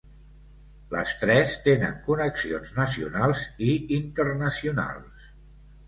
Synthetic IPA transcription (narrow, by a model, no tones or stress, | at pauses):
lə̰st̪ɾɛst̪enə̰ŋkunəksionznəsiṵnalˠziint̪ərnəsiuna̰lˠs